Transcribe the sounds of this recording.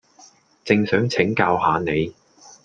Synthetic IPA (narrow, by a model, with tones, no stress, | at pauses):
t͡sɪ˨ŋsœː˨˥ŋt͡sʰɪ˨˥ŋkaː˧whaː˨˧ne˨˧j